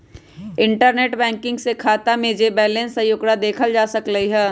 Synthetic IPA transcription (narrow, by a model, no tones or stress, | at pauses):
ɪ̃ɳʈəɾneːʈbɛ̃ːŋkɪ̃ŋɡsekʰaːt̪amẽd͡ʒebɛːlẽnsajʊkɽad̪eːkʰəld͡ʒaːsɐkləiɦɛː